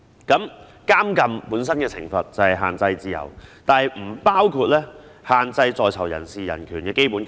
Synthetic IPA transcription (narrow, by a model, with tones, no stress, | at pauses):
kɐ˨˥m | kaː˥mkɐ˨mpuː˨˥ns̬ɐ˥nkɛː˧t͡sʰɪ̰˨˩ŋfɐ˨t̚t͡sɐ˨˩hɐ˨jɦa̰ː˨nt͡sɐ˧jt͡siː˧jɐ̰˨˩wt̪aː˨˧˨jm̩ː˨˩paː˥wkʰuː˧t̚lɛː˥haː˨nt͡sɐ˧jt͡sɔː˧jt͡sʰɐ˨˩wjɐ̰˨˩nsiː˨˩jɐ̰˨˩nkʰyː˨˩nkɛː˧ke˥jpuː˨˥n